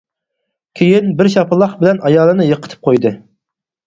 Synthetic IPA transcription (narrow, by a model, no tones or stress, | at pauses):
kʲʰejinbɪɾʃɑpɨlˠːɑχbɪlɛnʔɑjɑːlˠɨnɨjəqʰət̪ʰɨ̥p̚qʰojd̪ɨ